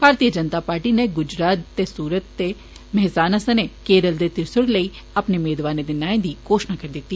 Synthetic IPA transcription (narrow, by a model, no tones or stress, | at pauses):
bʱaːɾt̪iːəd͡ʒənt̪aːpaːɾʈiːneɡʊd͡ʒɾaːt̪ːesuːɾət̪ːe | mɛɦsaːnəsənekeːɾəld̪eːt̪ɪɾsəɽləiː | ɐpnemeːd̪ʋaːned̪ɪnaːẽd̪iːkoːʃnakəɾd̪ɪt̪ːi